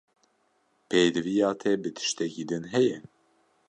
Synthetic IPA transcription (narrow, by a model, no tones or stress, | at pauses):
pʰejd̪ɨvijɑːt̪ʰɛbɨt̪ʰɨ̥ʃt̪ɛkiːd̪ɨnɦɛjɛ